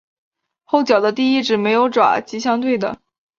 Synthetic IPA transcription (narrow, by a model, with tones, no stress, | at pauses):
xo˥˩ʊt͡ɕjɑ˨˩ʊd̪ə˦t̪i˥˧i˥˩ʈ͡ʂɻ̩˨˩me˧˥ɪjo˧˥ʊʈ͡ʂwa̰˨˩˦t͡ɕi˧˥ɕjɑ˥ŋt̪̬we˥˩ɪd̪ə̰˩